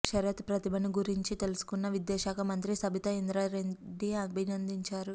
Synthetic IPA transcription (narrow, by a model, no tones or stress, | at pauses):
ʃɐɾjɐt̪pɾɐt̪ibɐniɡuɾiɲt͡ʃit̪e̞lusu̥kunːɐʋid̪jɛːʃaːkɐmɐnt̪ɾisɐbʱit̪ɐind̪ɾaːɾeɖːiɐbʱinɐnd̪iɲt͡ʃaːɾu